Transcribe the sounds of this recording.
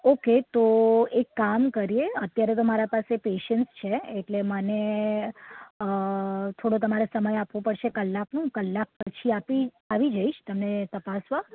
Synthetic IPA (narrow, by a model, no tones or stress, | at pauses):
oket̪oekːamkəɾijeət̪jaɾet̪omaɾapasepeʃənst͡ʃʰeeʈleməne | t̪ʰoɽot̪̬əmaɾesəməjapʋõpəɽʃekəlːaknũkəlːak̚pət͡ʃʰiapi | aʋid͡ʒəiʃt̪əmnet̪əpasʋa